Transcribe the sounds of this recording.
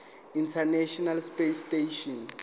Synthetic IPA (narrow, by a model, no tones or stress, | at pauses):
intʰanɛʃɔnalspesteʃɔn